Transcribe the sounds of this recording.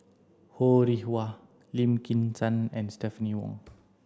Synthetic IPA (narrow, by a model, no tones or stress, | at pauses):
hoɾihwa | lĩmkĩnsãnɛ̃nstɛfəniwɔ̰̃ŋ